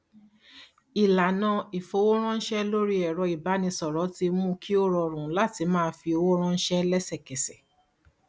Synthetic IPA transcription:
i˨la˨nã˨˧i˨fo˨˧˦wo˦ɾ̃ã˦n̩˦ʃɛ˦lo˦ɾi˦ɛ˨ɾɔ˧i˨ba˨˦nĩ˧sɔ˨ɾɔ˨˦ti˧mũ˦kʰi˦o˦ɾɔ˧ɾ̃ũ˨˦la˦˨ti˧mãː˦˧fi˧o˧wo˦ɾ̃ã˦˧n̩˦ʃɛ˦lɛ˦sɛ˦˨kɛ˨sɛ˨

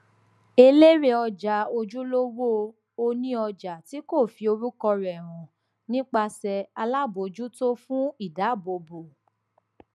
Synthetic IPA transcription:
e˧le˦ɾe˧ɔ˧d͡ʒa˨˦o˧d͡ʒu˦lo˦wo˦ | o˧nĩ˦ɔ˧d͡ʒa˨ti˨˦ko˦˨fi˨˧o˧ɾu˦kɔ˧ɾɛ˨ɾ̃ɔ̃˨ | nĩ˦k͡pa˧sɛ˧a˧la˦bo˨d͡ʒu˦to˦fũ˦i˦˨da˨˦˨bo˧bo˨

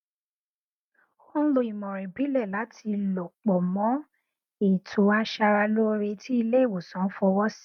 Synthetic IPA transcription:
xɔ̃˦lo˨i˨mɔ̃˨ɾɛ̃˨bi˨˦lɛ˦˨la˨˦tʰi˧lɔ˨k͡pɔ˨mɔ̃˨˦ | i˨tʰu˨˦a˧ʃa˧ɾa˧lo˦ɾe˧˦tʰi˦i˧le˦i˦˨wo˨sɔ̃˨˦fɔ˧wɔ˦si̥˦

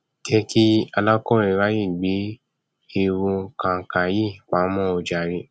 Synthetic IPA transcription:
tɛ˦ki˦a˧lã˦kɔ̃˦i˧˨ɾa˨˦ji˦˨ɡ͡be˨˦ | e˧ɾũ˧kã˨kã˨ji˦˨k͡pã˨˦mɔ̃˦o˧d͡ʒa˨ɾi˧

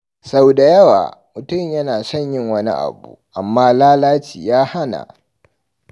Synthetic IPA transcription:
sa˦wda˨jɐ˦wa̰ː˨mʊ˨tʊ˦˨mjɐ˦naː˨sɔ˦˨ɲjɪ˦˨ŋwɐ˦nḭ˦ʔa̰˨bṵː˨ʔa˨mːaː˦laː˦laː˦t͡ʃiː˨jaː˦ha˦na̰˨

